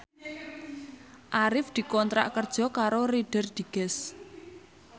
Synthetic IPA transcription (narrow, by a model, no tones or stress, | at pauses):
ʔaɾɪfd̪̥i̤kɔnt̪ɾa̰ʔkərd̥ʒ̥ɔ̤kaɾoɾiɖ̥ə̤rd̪̥i̤ɡ̥ɛs